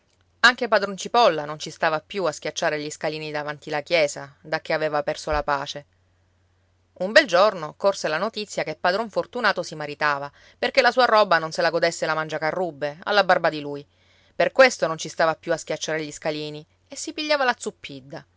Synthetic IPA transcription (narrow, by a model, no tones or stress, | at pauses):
aŋk̟ep̬ad̪ɾont͡ʃipɔlːanont͡ʃist̪aːvapːjuaskʲjat͡ʃːaːɾeʎiskaliːnid̪avant̪ilakjɛːzad̪ak̟ːeavɛːvapɛrsolapaːt͡ʃe | umbɛld͡ʒornokorselanot̪it̪sːjakepːad̪ɾoɱfort̪unaːt̪osimaɾit̪aːva | perkelasuːaɾɔbanonselaɡod̪esːelamand͡ʒakarːubːea̰lːabarbad̪iluj | perkwest̪onont͡ʃist̪aːvapːjuask̟ʲjat͡ʃːaːɾeʎiskaliːni | esːipiʎːaːvalat̪supʰːid̪ːa